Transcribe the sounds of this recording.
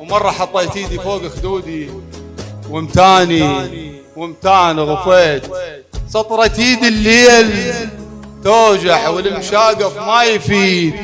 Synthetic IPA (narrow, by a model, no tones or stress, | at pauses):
wmɑrˤːɑħɑt̪ˤːɑjt̪iːd̪ifoːɡxd̪uːd̪i | wəmt̪aːni | wəmt̪aːnɣʊfeːt̪ | sɑt̪ˤɾˤɑt̪iːd̪əlːeːl | t̪oːd͡ʒaħwəlmʃaːɡɪfmajfiːd̪